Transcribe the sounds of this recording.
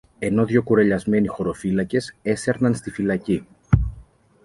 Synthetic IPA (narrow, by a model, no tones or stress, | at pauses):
e̞no̞ðʝo̞kuɾeʎɐzme̞nixo̞ɾo̞filɐce̞se̞se̞ɾnɐnst̪ifilɐci